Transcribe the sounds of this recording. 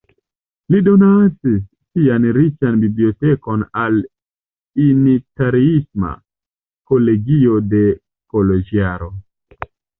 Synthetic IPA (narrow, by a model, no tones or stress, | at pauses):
lido̞nat͡sisːianɾit͡ʃanbiblio̞teko̞nal | initaɾiisma̰ | ko̞le̞ɡio̞de̞ | kolod͡ʒiaɾo